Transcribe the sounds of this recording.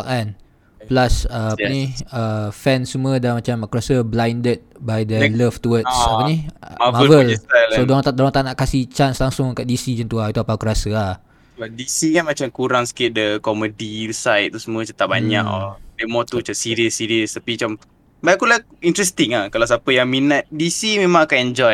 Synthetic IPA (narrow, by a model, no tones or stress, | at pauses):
kan | plasəaəniəfɛ̃nsumuədamat͡ʃamakɾasəblajndət̪̚bajdələft̪uwətsapəniavmavəlaodoaŋdolaŋt̪anaʔkasit͡ʃanslaŋsʊŋkaʔ̚disid͡ʒənt̪uait̪uapakəɾasəah | adisikanmat͡ʃamkuɾaŋsə̥kɪt̪̚dəkɔmədisaj̚t̪ːusəmuət͡ʃət̪aʔ̚baɲa̰kdemɔ̃t̪ut͡ʃasiɾiəsːiɾiəst̪apiat͡ʃam | baakulaint̪ɾɛst̪iŋahkalaws̬apəjaŋminət̪̚disimẽmãŋakanɛɲd͡ʒɔj